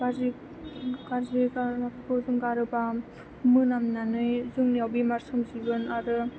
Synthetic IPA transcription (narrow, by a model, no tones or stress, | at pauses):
ɡazi | kaɾzikaakʰkʰozɯŋɡaɾɯba | mɯnamnanɯjzɯŋniawbimaɾsɯmzibɯnaɾɯ